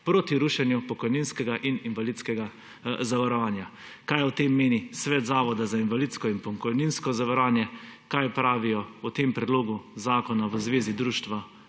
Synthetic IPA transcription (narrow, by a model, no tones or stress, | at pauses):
pɾoːt̪iɾuʃɛnjupɔkɔjninskɛɡaʔininʋalit̪skɛɡa | zaʋaɾɔʋaːnjakajɔt̪emːeːnisʋɛːt̪zaːʋɔd̪azainʋalit̪skɔinpɔkɔjninskɔzaʋaɾaːnjɛkajpɾaːʋijɔɔt̪empɾɛd̪loːɡuzaːkɔnaʋəzʋeːzid̪ɾuːʃt̪ʋa